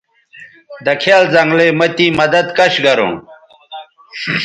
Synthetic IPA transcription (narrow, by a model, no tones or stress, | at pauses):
d̪ɐkʰeːlzɐŋɡlemɐt̪iːmɐd̪ɐd̪kɐɕɡɐɾõ̰ː